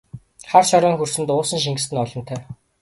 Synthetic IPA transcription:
χart͡ɕʰɔɾɔːŋxursɘ̆nt̪ʊːsə̆ŋʃ̬iŋɡɘ̆st̪ɘ̆nɔɮɞ̆nt̪ʰœː

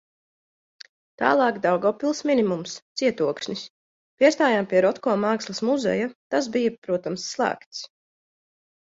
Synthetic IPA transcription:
t̪a̰ːlˠɑːkd̪awɡɔpilˠsminimumst̪siɛt̪uɔkʃnis | pʲiɛst̪aːjampiɛɾɔt̪kɔːmaːkslˠɐsmuzɛ̰jat̪asbijapɾuɔt̪amsːlˠæ̰ːkt̪s

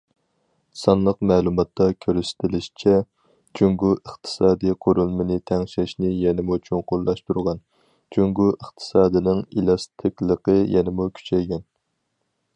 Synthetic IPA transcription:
sɑnlˠəqmɛːlˠumɑt̪ːɑkʲʰøɾysɪ̥t̪ʰɪlɪʃi̥t͡ʃʰɛ | t͡ʃʰyŋɡuəχt̪ʰɨ̥sɑːd̪ijqʰoɾulˠmɨnɨt̪ʰɛŋʃɛʃnɪjɛnɪmut͡ʃʰynqʰolˠːɑʃt̪uɾʁɑn | t͡ʃʰyŋɡuʔəχt̪ʰɨ̥sɑːd̪ɨnɪŋelˠɑst̪ʰɨkʲlˠəqəjɛnɪmukʲʰy̥t͡ʃʰɛjɡʲɛn

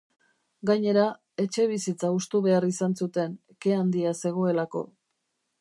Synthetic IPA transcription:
ɡaɲe̞ɾa | e̞t͡ʃe̞β̞isit͡saust̪uβe̞arisansut̪e̞n | ke̞and̪iase̞ɣ̞o̞e̞lako̞̰

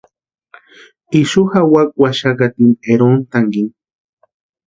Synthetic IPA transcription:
iʃuxawak̚ʼwaʃakat̪ineɾont̪aŋɡin

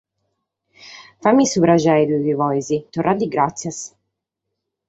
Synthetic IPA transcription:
famːisuβɾad͡ʒajd̪ukivɔjzit̪orːad̪ːiɡɾat̪sːjas

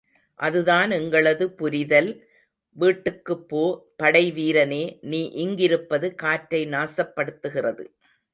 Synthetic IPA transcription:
ʔɐðɯðaːnɛŋɡɐɭɐðɯpʊɾɪðɐl | ʋiːʈːɯkːɯpːoːpɐɽɐɪʋiːɾɐneːniːʔɪŋɡɪɾɯpːɐðɯkaːʈɾɐɪnaːsɐpːɐɽɯt̪ːɯɣɪrɐðɯ

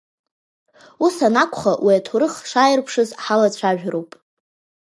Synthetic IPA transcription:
usanakʷʰʼχawʔiatʰuɾɨχʂaːjɪrpʰʂɨzħalat͡ɕʷʰaʒᶣɾowpʼ

